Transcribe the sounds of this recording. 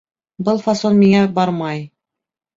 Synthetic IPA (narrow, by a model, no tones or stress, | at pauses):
bɤlˠfasonmiŋæbɑɾmɑj